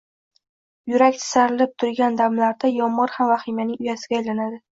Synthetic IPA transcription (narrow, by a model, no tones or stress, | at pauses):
jʊɾakʲt̪ʰɪ̥saɾɪlɪp̚t̪ʰʊɾɡʲand̪amlaɾd̪ajɒmːɒɾhamvaχimanɪŋʊjasɪɡʲaːjlanad̪ɪ